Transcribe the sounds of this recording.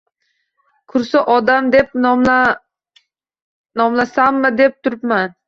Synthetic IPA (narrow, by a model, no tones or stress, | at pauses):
kʰʊɾsaʔɒd̪amd̪ep̪̚ | nɒmlˠasamːɪd̪ep̚t̪ʰʊɾpman